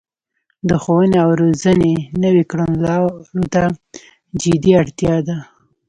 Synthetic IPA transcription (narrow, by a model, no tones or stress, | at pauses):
d̪əxowəneawɾozənenəwekɽanlɑɾot̪a | d͡ʒɪd̪iaɽt̪jɑd̪a